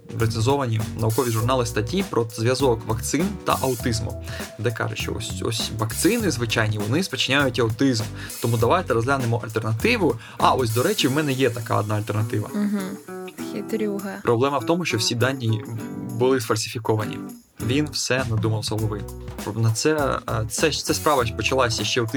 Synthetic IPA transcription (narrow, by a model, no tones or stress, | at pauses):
ɾet̪sɪnzɔʋɐnʲinɐʋʊkɔʋʲiʒʊrnɑlˠɪst̪ɐtʲipɾʔɔzʋʲjɐzɔkʋɐkt̪sɪnt̪ɐ̰ʔɐʊt̪ɪzmʊ̰d̪ɛkɑ̰ʒʊʃt͡ʃɔ̰ɔ̰sʲɔ̰sʲʋɐkt̪sɪnɪzʋɪt͡ʃajnʲiʋɔnɪspɔt͡ʃɪnʲajʊtʲɐʊt̪ɪzmt̪ɔmud̪ɐʋajt̪ɛɾɔzʲɦlʲanɪmɔʔɐ̰lʲt̪ɛrnɐt̪ɪʋʊ | ɑʔɔs̬ʲd̪ɔɾɛt͡ʃiwmɛnɛjɛt̪ɐka̰ɔ̰d̪nɑɐlʲt̪ɛrnɐt̪ɪʋɐ̰ɦ̩xʲit̪ɾʲuɦɐpɾʔɔblˠɛmɐwt̪ɔmʊʃt͡ʃɔwsʲid̪ɑnʲːibʊlˠɪsfɐlʲsʲɪ̥fʲikɔʋɐnʲḭ | ʋʲinwsɛnɐd̪umɐlˠzɦɔlˠɔʋɪ | nɐt̪sɛt̪sɛt̪sɛspɾɑʋɐpɔt͡ʃɐlˠɑsʲɐʃt͡ʃɛwt̪ɪ